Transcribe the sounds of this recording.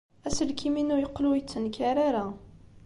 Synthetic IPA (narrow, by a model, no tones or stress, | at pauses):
æsəlkʰiminujəqːlujət͡sːənkaɾaɾa